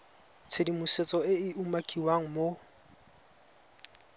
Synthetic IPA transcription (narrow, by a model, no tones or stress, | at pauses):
t͡sʰedimʊset͡sʼɔɪɪumakʼiwaŋ̩mo